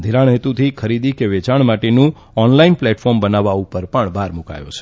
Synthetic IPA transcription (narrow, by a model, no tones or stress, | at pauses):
d̪ʱiɾaɳɦet̪ut̪ʰikʰəɾid̪ikeʋet͡ʃaɳ̃maʈenũ | ɔnlainplɛʈfɔɾmbənaʋaupəɾpəɳbʱaɾmuka̰jo̰t͡ʃʰe̥